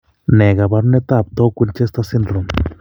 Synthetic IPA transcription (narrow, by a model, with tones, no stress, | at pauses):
ne˨ɡa˨ba˧ɾne˦t̪a˦˨b̚t̪o˦kʷi˦˧nt͡ʃe˦st̪a˧si˦nro˨n